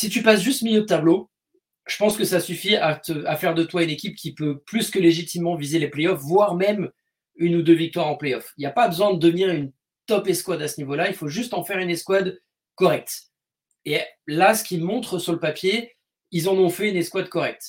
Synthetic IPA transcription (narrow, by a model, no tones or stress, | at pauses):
sit̪̬ypas̬ʒyst̪miljød̪ət̪ablo | ʒ̥ə̥pɑ̃skəsasyfiat̪əafɛʁd̪ət̪waynekʲipkʲipøplyskəleʒit̪imːɑ̃vizelepleɔfvwaʁmɛm | ynud̪øvik̚t̪waʁɑ̃pleɔfiljapabəzwɛ̃d̪əd̪əvniʁyn | t̪ɔpɛskwad̪asənivolailfoʒyst̪ɑ̃fɛʁyneskwad̪ | kɔʁɛk̚t̪ | elasə̥kʲimɔ̃t̪χəsyʁləpapje | ilzɑ̃nɔ̃fɛynɛskwad̪̚kɔʁɛk̚t̪